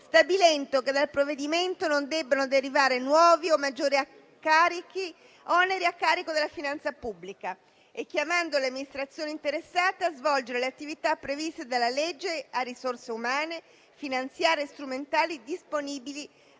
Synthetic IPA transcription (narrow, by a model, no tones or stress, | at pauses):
st̪abilɛnt̪oked̪alpɾoved̪iment̪onond̪ɛbːanod̪eɾivaːɾenwɔːviomːad͡ʒːoːɾia | kːaːɾiki | ʔɔneɾiakːaːɾikod̪elːafinant̪sapubːlika | ɛk̟ːjamand̪oleamːinist̪ɾat̪sːjoːneint̪eɾesːaːt̪eazvɔld͡ʒeɾeleat̪ːivit̪apːɾevist̪ed̪alːalɛd͡ʒːearːisorseumaːne | finant̪sjaːɾest̪ɾument̪aːlid̪isponiːbili